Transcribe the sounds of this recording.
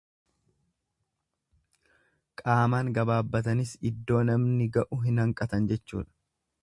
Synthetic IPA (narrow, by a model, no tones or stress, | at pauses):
kʼaːmaːŋɡɐbaːbːɐt̪ɐnɪsɪd̪ːo̞ːnɐmnɪɡɐʔʊɦɪnhɐŋkʼɐt̪ɐnd͡ʒɛt͡ʃːṵːᶑɐ̥